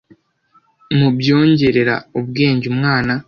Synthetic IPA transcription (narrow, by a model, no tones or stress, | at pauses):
mubjo̞ːɲɟe̞ɾe̞ɾa̰ub̚ɡe̞ːɲɟumŋaːna